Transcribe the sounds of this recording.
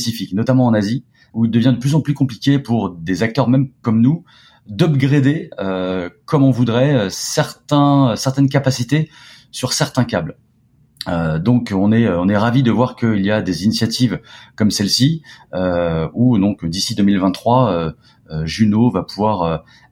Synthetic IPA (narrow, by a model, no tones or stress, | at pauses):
pesifiknɔt̪amɑ̃ːnazi | uild̪əvjɛ̃d̪əplyzɑ̃plykɔ̃plikʲepuʁd̪ezak̚t̪œʁmɛmkɔmnu | d̪ɔbɡʁed̪eøkɔmɔ̃vud̪ʁɛøsɛʁt̪ɛ̃øsɛʁt̪ɛnk̬apasit̪e | syʁsɛʁt̪ɛ̃kabl | ød̪ɔ̃kɔ̃nɛøɔ̃nɛʁavid̪əvwaʁkəiljad̪ezinisjat̪ʰivkɔmsɛlsiøud̪ɔ̃kd̪isid̪ømilvɛ̃t̪ːχwaø | øʒynovapuvwaʁø